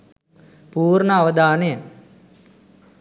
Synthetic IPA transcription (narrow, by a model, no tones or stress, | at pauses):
puːɾɳəɐʋɐd̪ʱaːnejə